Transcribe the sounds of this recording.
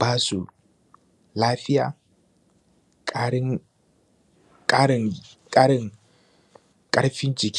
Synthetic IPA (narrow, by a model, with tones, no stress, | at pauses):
baː˦su˨ | laː˦ɸɪ˦ja̰ː˨ | k | kʼa˦ɾŋkʼa˦ɾɪ˦ŋ | kʼɐ˦ɽɸɪ˦nt͡ʃɪ˨kʲ